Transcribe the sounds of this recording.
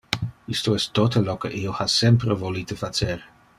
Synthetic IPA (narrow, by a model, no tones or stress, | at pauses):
ist̪oɛst̪ːot̪əlokeʔiːoasɛmpɾevoliːt̪əfat͡ʃeːɾe